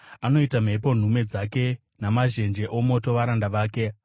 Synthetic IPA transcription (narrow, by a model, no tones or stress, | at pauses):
ano̞itam̤e̞p̬o̞n̤ume̞d͡zake̞ | namaʒe̞nd͡ʒe̞ʔo̞mo̞to̞ʋaɾandaʋaːke̞